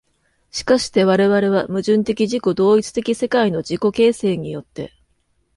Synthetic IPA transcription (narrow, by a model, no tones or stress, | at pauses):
ɕi̥kaɕi̥t̪e̞βaɾe̞βaɾe̞βamɯ̟ʑɨ̃nt̪e̞kʲiʑiko̞d̪o̞ːit͡sɨ̥t̪e̞kʲise̞kaino̞d͡ʑiko̞ke̞ːse̞ːɲ̟ijo̞t̪ːe̞̰